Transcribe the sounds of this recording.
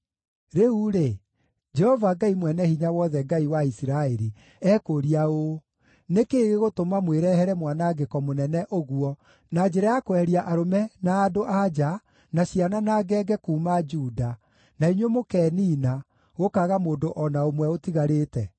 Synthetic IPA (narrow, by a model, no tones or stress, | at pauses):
ɾeuɾe | d͡ʒɛhɔvaɡaimwɛnɛhiɲawɔðɛɡaiwaisiɾaeɾi | ɛːkoɾiao | nekeːɣeɣotomamweɾɛhɛɾɛmwanaɡekɔmonɛnɛʔoɣuɔ | nad͡ʒɛɾajakoɛɾiaʔaɾomɛnaːdoʔad͡ʒa | naɕiananaɡɛːɡɛkuːmad͡ʒuːda | naiɲwemokɛːniːna | ɣokaɣamoːndoʔɔnaomwɛotiɣaɾetɛ